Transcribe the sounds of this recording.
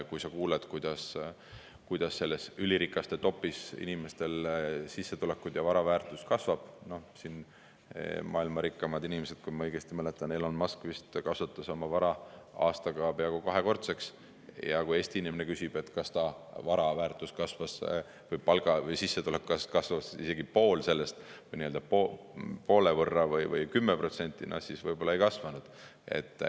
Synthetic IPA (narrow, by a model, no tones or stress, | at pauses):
kujsɑkuːled̪̥kujd̪̥ɑs | kujd̪̥ɑsːe̞lːe̞syliɾikːˑɑst̪e̞t̪o̞pːˑisḭnime̞st̪e̞lsisːe̞t̪ule̞kːˑud̪̥jɑvɑɾɑvæːrt̪ˑuskɑsvɑb̥no̞sin | mʔɑ̰ːilmɑɾikːɑmɑd̪̥inime̞sed̪̥̚kujmɑɤjɡ̥e̞st̪imæle̞t̪ːˑɑnːelo̞nmɑskvist̪kɑsvut̪ːˑɑso̞mɑvɑɾɑɑ̰ːst̪ɑɡɑːb̥eɑɡukɑɦe̞ko̞rt̪se̞ks | jɑkujeːsʲt̪iinimene̞kysʲib̥e̞t̪ːkɑst̪ɑvɑɾɑvæːrt̪ːˑuskɑsvɑs | vɯjpɑlɡ̥ɑvɯjsisːet̪ulekkːɑskɑsvɑsise̞ɡipo̞ːlse̞lːe̞st̪vɯjniø̞ld̪ɑpo | po̞ːlevɤrːɑvɯjvɯjkymːepro̞t̪se̞nʲt̪ːˑinʔɑ̰sisvɤjbo̞lɑejkɑsvɑnud̪̥e̞̰t̪ːˑ